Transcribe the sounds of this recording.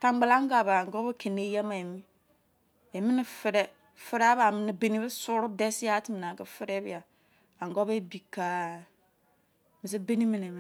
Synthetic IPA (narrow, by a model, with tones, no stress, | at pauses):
ta˨ŋ˦ɡ͡ba˨la˦ŋ˦ɡa˨βa˨ŋ˨ɡɔ˦be˦kʰe˨ne˦jɛ˦ma˨e˨mi˦ | e˨mi˦ni˨fɨ˨ɾɛ˦ | fɪ˦ɾa˦βa˨mi˨ni˨˦be˨ni˦βɨ˦sʊ˦ɾʊ˦de˦si˦a˦ti˦mi˨na˨kə˦fi˦ɾe˦βi˦ja˨ | a˨ŋɡo˦be˦bi˨ka˨ | mi˨s̬e˦be˦ni˦mi˨ne˨m˨